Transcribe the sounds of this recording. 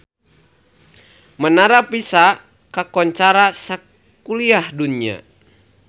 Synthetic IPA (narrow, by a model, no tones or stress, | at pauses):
mənaɾapisa | kakɔɲt͡ʃaɾasa | kuliahdunia̰